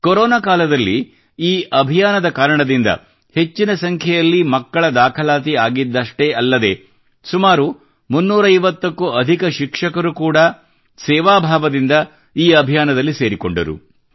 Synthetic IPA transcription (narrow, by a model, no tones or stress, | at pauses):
koɾɔːnaːkaːlɐd̪ɐlːi | iːʔɐbʱijaːnɐd̪ɐkaːɾɐɳɐd̪ind̪ɐ̰ | he̞t͡ʃːinɐsɐŋkʰjɛjɐlːimɐkːɐɭɐd̪aːkʰɐlaːt̪iaːɡid̪ːɐʂʈeʔɐlːɐd̪e̞ | sumaːɾu | munːuːɾɐijʋɐt̪ːɐkːuɐd̪ʱikɐʃikʂɐkɐɾukuːɽɐ | sɛːʋaːbʱaːʋɐd̪ind̪ɐ | iːɐbʱijaːnɐd̪ɐlːise̞ːɾiko̞̰ɳɖɐ̰ɾṵ